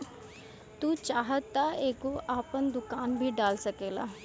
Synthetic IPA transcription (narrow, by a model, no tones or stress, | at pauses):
t̪uːt͡ʃaːɦət̪ːaeːkoʔaːpənd̪ʊkaːnbʱiːɖaːlsəkeːla̰ː